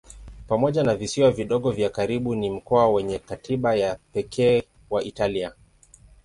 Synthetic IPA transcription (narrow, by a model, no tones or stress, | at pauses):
pamɔʄanavisiwaviɗɔɠɔvjakaɾiɓunim̩kɔawɛɲɛkatiɓajapɛkʰɛː | waʔitalia